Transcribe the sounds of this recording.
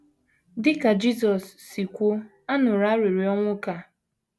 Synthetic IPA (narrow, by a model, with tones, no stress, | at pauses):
dɪ˦ka˨d͡ʒi˦s̬ɔ˨sːi˨kʷʊ˦ | a˦nʊ˨ɾa˦ɾi˨ɾi˨ɔ˦ŋʷʊ˦ka˦